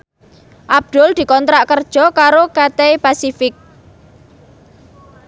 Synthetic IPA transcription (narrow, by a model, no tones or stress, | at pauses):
ʔab̚d̪̥ʊ̤ld̪̥i̤kɔnt̪ɾaʔkərd̥ʒ̥ɔ̤kaɾokat̪epasifɪk̚